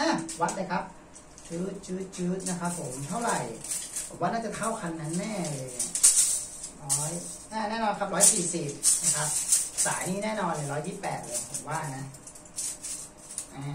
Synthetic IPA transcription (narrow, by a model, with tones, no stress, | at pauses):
ʔaː˧˩wa˦˥t̪̚laː˧jkʰa˦˥p̚ | t͡ɕɯː˦˥t̪̚t͡ɕɯː˦˥t̪̚t͡ɕɯː˦˥t̪̚na˦˥kʰa˦˥pʰːo˨˩˦mt̪ʰa˥˩wɾa˨˩jbʰɔː˨˩˦mwaː˦˥˩na˥˩t͡ɕa˨˩t̪ʰa˥˩wkʰa˧nːa˦˥nːɛː˥˩lɤː˧ja˧˩ | ɾɔː˦˥j | ʔaː˧˩nɛː˥˩nɔː˧nkʰa˦˥p̚ɾɔː˦˥jsiː˨˩si˨˩p̚na˦˥kʰa˦˥p̚sa̰ː˩˦jniː˥˩nɛː˥˩nɔː˧nlɤː˧˩ɾɔː˦˥jːiː˥˩pːɛː˨˩t̪̚loː˧pʰo˨˩˦mwaː˥˩na˦˥ | ʔaː˧˩